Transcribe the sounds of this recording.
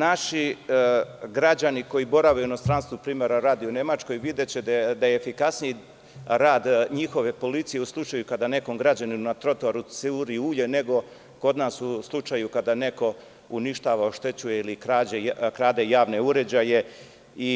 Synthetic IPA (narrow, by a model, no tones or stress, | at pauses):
naʃi | ɡɾad͡ʑaniko̞jibo̞ɾaʋauino̞st̪ɾanst̪upɾiːme̞ɾaɾaːd̪iune̞mat͡ʃko̞jʋid̪et͡ɕed̪d̪ajeːfikasniji | ɾaːd̪ɲixo̞ʋe̞po̞lit̪sije̞uslˠut͡ʃaːjukad̪ane̞ko̞mɡɾad͡ʑaninunat̪ɾo̞t̪oaɾuseuɾiuːʎene̞ɡo̞ | ko̞d̪naːsuslˠut͡ʂajukad̪ane̞ko̞ | uniʃt̪aːʋaoʃt̪e̞t͡ɕujeilikɾaːd͡ʑekɾaːd̪e̞jaːʋne̞uɾe̞d͡ʑaje̞ | i